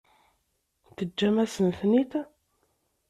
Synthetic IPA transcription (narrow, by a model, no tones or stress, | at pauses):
θəd͡ʒːæmæsənθnit̪